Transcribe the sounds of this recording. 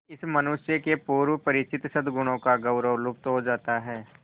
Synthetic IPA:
ɪsmɐnʊʃjəkepuːɾʋəpɐɾɪt͡ʃɪt̪sɐd̪ʱɡʊɽ̃õkaɡɐʊɾəʋlʊp̚t̪ɦod͡ʒaːt̪aɦɛː

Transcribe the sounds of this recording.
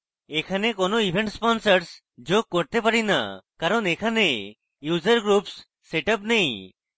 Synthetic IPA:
ekʰanekonoibʱẽɳʈspɔnsəɾs | d͡ʒoɡ̚kɔɾt̪epaɽina̰kaɾɔnekʰane | jud͡ʒəɾɡɾupsː | eʈəp̬nej̃

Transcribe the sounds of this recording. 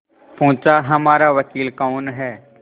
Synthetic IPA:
põːt͡ʃaɦɐmaːɾaʋɐkiːlkaːnɦɛː

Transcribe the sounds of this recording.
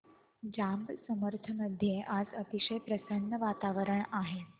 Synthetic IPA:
d͡ʑambsəməɾt̪ʰəməd̪ʱjeʔad͡zət̪iɕəjpɾəsənːəʋat̪aʋəɾəɳaɦe

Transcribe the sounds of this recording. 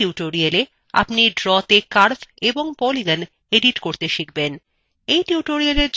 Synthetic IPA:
iʈoɾiale | a̰pniɖɾɔt̪ekaɾbʰeboŋpɔliɡan | eɖiʈkoɾt̪eʃik̚ben | ejʈiʈoɾialeɾd͡ʑ

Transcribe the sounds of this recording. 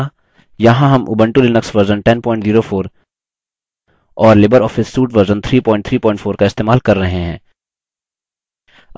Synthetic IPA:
jɐɦãɦɐmʔʊ̰bə̃ɳʈulɪnəksʋɐɾzənʈɛnpɔːɪ̃ɳʈziːɾofʰoːɾ | ɔːɾlɪbəɾɔːfɪsːuːʈʋɐɾzənt̪ʰɾiːpɔːɪ̃ɳʈt̪ʰɾiːpɔːɪ̃ɳʈfoːɾkaɪst̪eːmaːlkɐɾːɐɦeɦɛ̰̃ː

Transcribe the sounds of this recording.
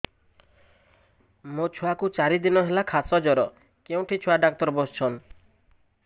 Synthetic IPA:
mot͡ʃʰuakut͡ʃaɾid̪inɔɦelakʰasɔd͡ʒɔɾɔ | keũʈʰit͡ʃʰuaɖak̚t̪ɔɾɔbɔst͡ʃʰɔn

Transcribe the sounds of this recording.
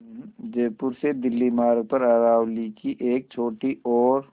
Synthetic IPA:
d͡ʒeːpʊɾsed̪ɪlːimaːɾɡ̚pɐɾaɾaːwlikiʔeːk̚t͡ʃʰoːʈiʔɔːɾ

